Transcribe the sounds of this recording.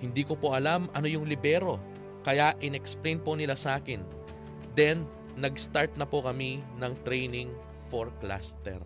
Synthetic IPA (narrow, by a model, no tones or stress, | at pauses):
hɪnd̪iːko̞po̞ʔɐlamʔɐno̞jʊŋlɪbɛːɾo̞ | kɐjaʔʔɪnɛksplejnpo̞nɪlasɐʔaːkɪn | d̪ɛnː | ɐɡst̪aɹt̪̚nɐpokɐminɐŋt̪ɾɛjnɪŋ | foɹkla̰st̪ɛ̰ɾ